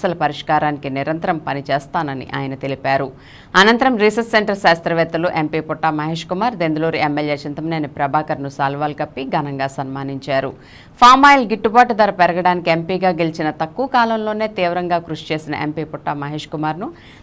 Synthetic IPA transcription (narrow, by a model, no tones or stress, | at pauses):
sɐlɐpɐɾiʂkaːɾaːnikiniɾɐnt̪ɐɾɐmpɐnit͡ʃɛːst̪aːnɐnḭʔa̰ːjɐnɐt̪e̞lipaːɾu | ɐnɐnt̪ɐɾɐmɾiːsɐsseɳʈɐɾʃaːst̪ɾɐʋɛːt̪ːɐluʔempiːpɔʈːaːmɐɦeːʂkumaːɾd̪end̪uloːɾiemːeljeːt͡ʃint̪ɐmɐneːnipɾɐbʱaːkɐɾnusaːlʋaːlikɐpːiɡɐnɐŋɡaːsɐnmaːniɲt͡ʃaːɾu | pʰaːmaːjlɡiʈːubaːʈud̪ɐɾɐpɛɾɐɡɐɽaːnikiempiːɡaːɡelit͡ʃinɐt̪ɐkːuʋɐkaːlɐmlo̞ːne̞ːt̪iːʋɐɾɐŋɡaːkɾuʂt͡ʃe̞ːsinɐ̰ʔe̞mpiːpuʈːaːmɐɦeːʂkumaːɾnu